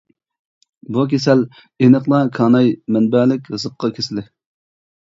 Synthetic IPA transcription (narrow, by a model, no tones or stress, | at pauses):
bukʲʰesɛl | enəqlˠɑkʰɑːnɑjmɛnbælɪkʲzəqʰːɑkʲʰesɪlɪ